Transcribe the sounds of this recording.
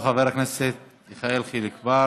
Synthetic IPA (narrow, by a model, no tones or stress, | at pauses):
χaveɾakneset̪ | iχaelχilikva